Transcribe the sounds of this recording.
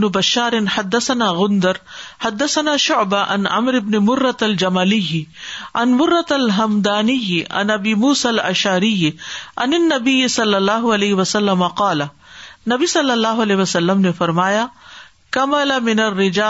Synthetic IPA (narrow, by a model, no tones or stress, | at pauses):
nʊbɐʃːaːɾɪnħad̪ːɐsɐnaːɣʊnd̪ɐɾħad̪ːɐsɐnaːʃʊʕbaʔa̰nʔa̰mɾɪbnɪmʊrːɐt̪ɐld͡ʒɐmalijʕanmʊrːɐt̪ɐlɦɐmd̪aːnɪjʔa̰nʔɐbiːmuːsaːlɐ̰ʃaːɾɪjʔanɪnːɐbijːɪsɐlːɐlːaːɦʊɐleːɦɪwɐsɐlːɐmɐqɑːlanɐbisɐlːɐlːaːɦʊɐleːɪwɐsɐlːɐmnefɐɾmaːja | kɐmɐlɐmɪnɐrːɪd͡ʒaː